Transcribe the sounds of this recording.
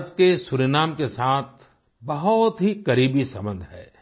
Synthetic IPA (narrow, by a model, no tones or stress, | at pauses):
t̪kesʊɾenaːmkesaːt̪̚ʰ | bɐɦʊt̪ɦikɐɾiːbisɐ̰̃mbə̃nd̪ʱɦɛ̰ː